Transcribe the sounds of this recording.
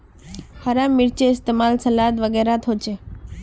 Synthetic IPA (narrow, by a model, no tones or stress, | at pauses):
haɾamːɪɾt͡ʃeɪst̪emalsəlat̪ʋəɡeɾat̪ʰot͡ʃʰe